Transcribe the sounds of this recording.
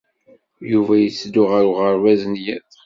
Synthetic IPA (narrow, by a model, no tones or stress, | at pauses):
juvæjət͡sːd̪ʊʁəɾuʁəɾwæznjæθ